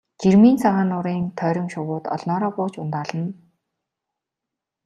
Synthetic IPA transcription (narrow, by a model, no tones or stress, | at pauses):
t͡ɕirmiːnt͡sʰaʁaːnʊɾiːnt̪ʰœːɾʲɪ̆mʃʊwʊːt̪ɔ̰ɮnɔːɾɔːpʊːt͡ɕʊnt̪aːɮə̆n